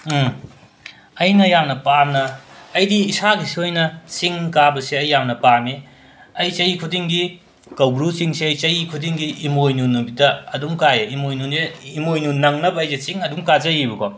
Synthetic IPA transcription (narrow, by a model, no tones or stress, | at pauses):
ɐjnɐjamnɐpanɐːjdiːsaɡisiojnɐsiŋkabɐseɐjːamnɐpaɾmi | ɐjt͡ʃɐjikʰudiŋɡi | kɐwbɾusiŋsiɐjt͡ʃɐjikʰudiŋɡiʔːmojnunubitɐɐduŋkajeimojnuneimojnunɐŋnɐbɐɐjzesiŋɐduŋkazɐjibɐko